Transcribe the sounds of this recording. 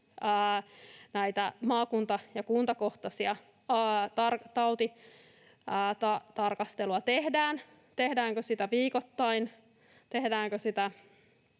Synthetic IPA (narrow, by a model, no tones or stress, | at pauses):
əːnæit̪æmɑːkunt̪ɑjɑkuːnt̪ɑko̞ht̪ɑsiɑ | t̪ɑrt̪ɑwt̪i | t̪ɑt̪ɑrkɑst̪eluɑt̪ehdæːn | t̪ehdæːŋkøsit̪æʋiːkot̪ːɑin | t̪ehdæːŋkøsit̪æ